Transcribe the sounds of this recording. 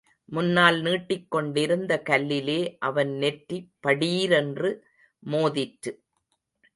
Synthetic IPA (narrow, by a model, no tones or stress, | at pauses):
mʊnːaːlniːʈːɪkːɔɳɖɪɾɯnd̪ɐkɐlːɪleːʔɐʋɐnnɛʈripːɐɽiːɾɛndrɯ | moːðɪʈɾɯ